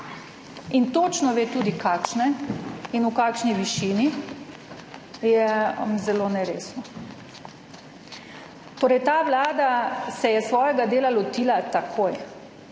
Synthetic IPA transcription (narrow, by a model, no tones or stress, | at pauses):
int̪oːt͡ʃnɔʋeːt̪uːd̪ikaːkʃnɛinukaːkʃniʋiʃiːni | jɛmzɛloːnɛɾeːsnɔ | t̪oːɾɛjt̪aːʋlaːd̪asɛjɛsʋɔːjɛɡad̪eːlalɔt̪iːlat̪akʰoːj